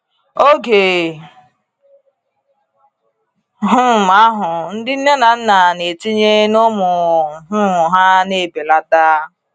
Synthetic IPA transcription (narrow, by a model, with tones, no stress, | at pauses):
o˦ke˨ | ɦʊ˦˨ma˦ɦʊ˨n̩˦dɪ˦n̩˦ne˦na˨n̩˦na˨ne˨ti˦ɲe˦nʊ˦mʊ˨ɦʊ˦˨ɦa˦ne˦˨be˨la˦ta˦